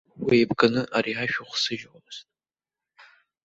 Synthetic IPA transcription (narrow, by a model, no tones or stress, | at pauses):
wijbɡʼanɨʔaɾiaʃᶣuχʷsɨʒwztʼ